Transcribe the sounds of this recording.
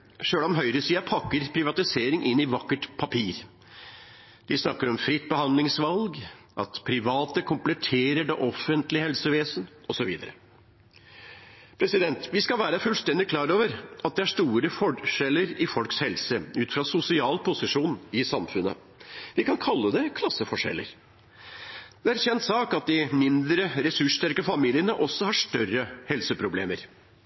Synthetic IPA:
ʂøːlɔmɦœʏɾəsiːɑpʰɑkːəɾpʰɾɪʋɑt̪ɪseːɾɪŋʔɪnːɪʋɑkːəʈpʰɑpʰiːɾ | d̪̥ɪsnɑkːəɾɔmfɾɪt̪ːbəhɑnd̪lɪŋsʋɑlɡ | ʔɑ̰t̪pʰɾɪʋɑːt̪əkʰʊmplɛt̪ʰeːɾəɖɛʔɔfːənt̪lɪhɛlsəʋeːsn̩ɔsɔʋḭːd̪əɾə̰ | pʰɾɛsɪd̪ɛnt̪ʋɪskɑlʋæːɾəfʉlst̪ɛnd̪ɪkʰlɑːɾoːʋəɾɑt̪̚d̪ɛæʂt̪uːɾəfɔʂɛlːəɾɪfɔlkshɛlsəʉːt̪fɾɑsʊsɪɑːlpʰʊsɪʂuːnɪsɑmfʉnə̰ | ʋɪkɑnkʰɑlːəd̪ɛkʰlɑsːəfɔʂɛ̰lːə̰ɾ | d̪ɛæɾçɛnt̪sɑːkɑt̪̚d̪ɪmɪnd̪ɾəɾɛsʉʂt̪æɾkəfɑmiːlɪənəʔɔsːɔhɑʂt̪œrəhɛlsəpʰɾʊblḛːməɾ

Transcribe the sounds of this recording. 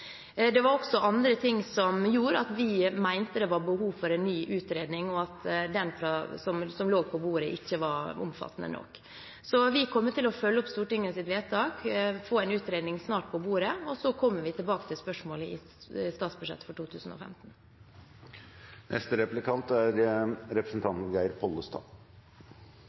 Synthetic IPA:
d̪ɛʋɑɾɔksɔʔɑnd̪ɾət̪ʰɪŋsɔmjuːɾɑt̪ʋɪmæɪnt̪əd̪ɛʋɑɾbəɦuːʋfɔɾɛnːyːʔʉːt̪ɾeːd̪nɪŋɔɑt̪d̪ɛnfɾɑsɔmsɔmloːɡ̚pʰɔbuːɾəʔɪçːəʋɑɾʊ̰mfɑ̰t̪ːənə̰nɔ̰kː | sɔʋɪkʰɔmːət̪ɪlɔfœlːəɔpst̪uːʈɪŋːəsɪt̪ʋeːt̪ʰɑːkfoːɛɪnʉːt̪ɾeːd̪nɪŋsnɑːʈ̚pʰɔbuːɾəɔsɔkʰɔmːəʋɪt̪ʰɪlbɑːkət̪ʰɪlspœʂmoːləʔɪ̰ | st̪ɑːt̪sbʉʂɛ̰t̪ːə̥fɔʈʰuːt̪ʰʉːsn̩ɔ̰fɛ̰mt̪n̩ | nʔɛ̰st̪əɾɛplɪkɑnt̪æɾɾɛpɾəsn̩t̪ʰɑnt̪n̩ɡæɪɾpʰɔlːəst̪ʰɑ̰ː

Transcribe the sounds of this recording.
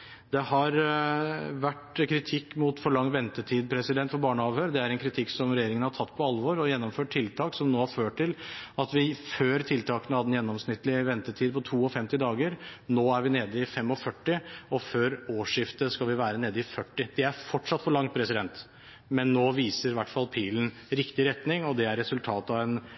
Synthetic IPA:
d̪ɛhɑɾ | ʋæʈkʰɾɪt̪ʰɪkːmʊt̪fɔɭɑŋːʋɛnt̪əʈʰiːd̪̚pʰɾɛsɪd̪ɛnt̪fɔɾbɑːɳəɑːʋhøːɾd̪ɛæɾɛnkʰɾɪt̪ʰɪkːsɔmɾɛjeːɾɪŋənhɑʈ̪ʰɑt̪ːpʰɔɑlʋɔɾɔjɛnːɔmføːʈ̚ʈʰːɪlt̪ʰɑːksɔmnoːhɑɾføːʈʈʰːɪlɑt̪ʋɪføːɾt̪ʰɪlt̪ʰɑːkənəhɑd̪əɛnjɛnːɔmsnɪt̪ːlɪʋɛnt̪ət̪ʰiːd̪pʰɔt̪ʰuːɔfɛmt̪ɪd̪ɑːɡəɾnoːæɾʋɪneːd̪əɪfɛmːɔfœʈːɪɔføːɾoːʂɪft̪əskɑlʋɪʋæːɾəneːd̪əɪfœʈːɪd̪̥ɛæɾfɔʈʂɑt̪ːfɔɭɑŋt̪̚pʰɾɛsɪd̪ɛnt̪ | mɛnːoːʋiːsəɾʋæʈːfɑlpʰiːln̩ | ɾɪkt̪ɪɾɛt̪nɪŋɔd̪ɛæɾːɛsʉlt̪ʰɑːt̪ɑʋɛn

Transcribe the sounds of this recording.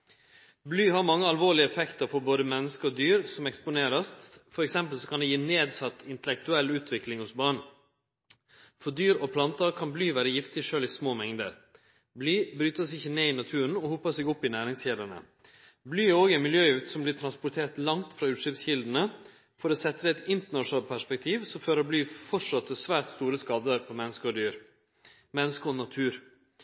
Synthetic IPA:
blyːhɑɾmɑŋːəɑlʋoːɭɪəɛfɛkt̪əɾfɔɾboːd̪əmɛnːəskəɾɔd̪yːɾsɔmɛkspʊneːɾɑst̪fɔɾɛksɛmpəlsɔkʰɑnd̪ɛjiːneːd̪sɑt̪ːɪnt̪əlɛk̚t̪ʉɛlːʉːt̪ʰʋɪklɪŋhʊsbɑɳ | fɔd̪yːɾɔpʰlɑnt̪əɾkʰɑnblyːʋæːɾəjɪft̪ɪʂøːlɪsmoːmɛŋd̪ə̰ɾ | blyːbɾyːt̪əsɪçːəneːɪnɑt̪ʰʉːɾən̩ɔhʊpːəseːɡʊpːɪnæːɾɪŋsçeːd̪əɳə̰ | blyːoːɡɛnmɪljøːʉːt̪sɔmblɪːt̪ʰɾɑnspʊt̪ʰeːɾt̪lɑŋt̪fɾɑːʉːʂʏpsçɪld̪n̩ə | fɔɾoːsɛt̪ɾəɛt̪ɪnt̪əɳɑʂnɑːlt̪̚pʰæʂpɛkt̪ʰiːʋsɔføːɾoːblyːfɔʈʂɑt̪ʰːəsʋæːɾt̪st̪uːɾəskɑːd̪əɾpʰɔmɛnːəskəɔd̪yːɾ | mɛnːəskəɔnɑt̪ʰʉːɾ

